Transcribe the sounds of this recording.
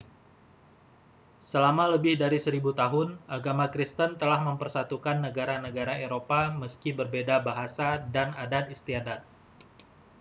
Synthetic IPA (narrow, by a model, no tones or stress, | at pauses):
səlamaləbɪhdaɾisəɾibut̪aɦʊnʔaɡamakɾist̪ənt̪əlahməmpərsat̪ukanːəɡaɾanəɡaɾaeɾopaməskibərbedabaɦasadanadat̪ist̪iadat̪̚